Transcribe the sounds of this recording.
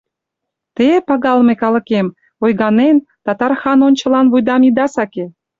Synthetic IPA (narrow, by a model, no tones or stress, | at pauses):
t̪epɑɣɑlmekɑlɤ̆kem | ojɣɑnent̪ɑt̪ɑrxɑnonʲt͡ɕɤ̆lɑnβujd̪ɑmid̪ɑsɑke